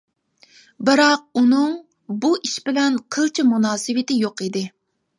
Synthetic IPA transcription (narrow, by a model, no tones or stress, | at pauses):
bɨɾɑq̚unɨŋ | buʔiʃbɪlɛnqʰəlˠt͡ʃʰimunɑːsɨwɪt̪ɪjoqid̪ɪ